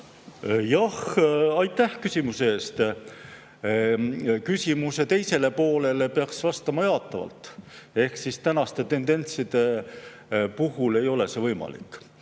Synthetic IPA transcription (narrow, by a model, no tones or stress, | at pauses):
jɑhɑjt̪ːˑæhkysʲimuseeːst̪ | kysʲimuse̞t̪e̞jse̞le̞po̞ːle̞le̞peɑksvɑst̪ɑmɑjɑːt̪ːˑɑvɑ̰lt̪ˑ | e̞hksist̪ænɑst̪e̞t̪e̞nd̪e̞nʲt̪sid̪̥e̞ | puɦule̞jo̞le̞se̞vɤjmɑ̰lḭkːˑ